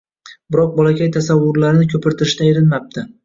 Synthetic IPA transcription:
bɪɾɒq̚bɒlakʲajt̪ʰasavːʊɾlaɾɪnɪkʲʰɵpʰɪɾt̪ʰɪɾɪʃt̪aeɾɪnmap̚t̪ʰɪ

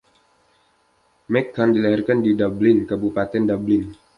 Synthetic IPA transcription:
mɛkːandilaɦɛrkandidablɪnkəbupat̪ɛndablɪn

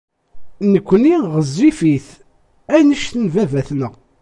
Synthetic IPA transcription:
nəkʷːniʁəzːifiθ | ænəʃθənvævæθnəʁ

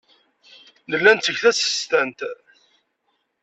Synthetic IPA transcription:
nəlːænt̪ːəʝθæsə̥st̪ænt̪

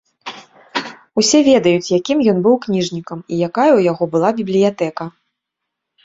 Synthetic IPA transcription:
usʲɛvʲɛd̪ɐjut͡sʲjakʲimjɔnbɨwknʲiʐnʲikɐmijakajɐujaɣɔbɨlˠabʲiblʲijat̪ɛkɐ

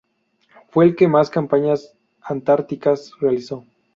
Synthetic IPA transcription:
fwe̞ːlke̞maskampaɲas | ant̪aɾt̪ikasrealiso̞

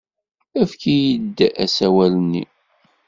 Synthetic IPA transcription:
æfkijəd̪ːʔæ̰sæwælənːḭ

